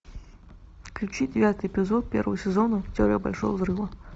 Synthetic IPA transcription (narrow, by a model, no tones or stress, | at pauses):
klʲut͡ɕid͡zʲɪvʲat̪ɨjepʲɪzɔt̪̚pʲɛ̰rvəəsʲɛzɔnʊtʲɔɾʲɛ̰ba̰lʲʂɔ̰jəzrɨvɐ